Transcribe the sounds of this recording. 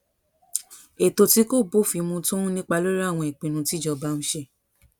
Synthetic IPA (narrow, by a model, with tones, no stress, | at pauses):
e˨to˧ti˦ko˦˨bo˦˨fi˧mũ˧tũ˦nĩ˦k͡pa˧lo˦ɾa˦˨w̃ɔ̃˧e˨k͡pĩ˨nũ˧ti˦˨d͡ʒɔ˧ba˦nũ˧ʃe˧